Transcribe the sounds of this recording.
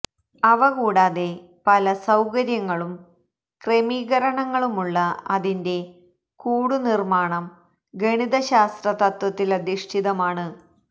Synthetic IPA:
ɐʋɐɣuːɽaːðe̞ | pɐlɐsɐwkɐɾjɐŋːɐɭum | kremiːɣɐɾɐɳɐŋːɐɭumuɭːɐɐðinde̞ | kuːɽunirmaːɳɐm | ɡeɳiðɐɕaːst̪rɐt̪ɐt̪wɐt̪ːilɐd̪iʂʈʰiðɐmaːɳɨ

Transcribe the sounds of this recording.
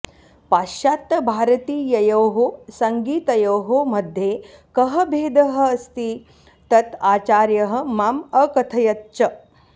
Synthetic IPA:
paːʃaːt̪ːɐbʱaːɾɐt̪iːjɐjɐwɦosɐŋɡiːt̪ɐjɐwɦomɐd̪ʱjeːkɐɦɐbʱeːd̪ɐɦɐ̆ɐst̪i | t̪ɐt̪aːt͡ʃaːɾjɐɦɐ̆maːmɐkɐt̪ʰɐjɐt̪t͡ʃɐ

